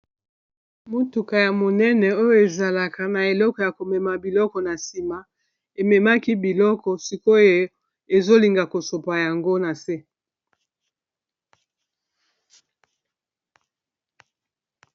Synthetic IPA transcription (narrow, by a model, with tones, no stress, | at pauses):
mo˨tu˨ka˨ja˨mo˨nɛ˦nɛ˨o˦jo˦e˨za˨la˨ka˨na˨e˨lɔ˦kɔ˨ja˨ko˨mɛ˨ma˨bi˨lɔ˦kɔ˨na˨si˨ma˨ | e˨mɛ˨ma˦ki˦bi˨lɔ˦kɔ˨si˦ko˦e˦ | e˨zo˦li˨ŋɡa˨ko˨so˨pa˨ja˨ŋɡo˦na˨se˦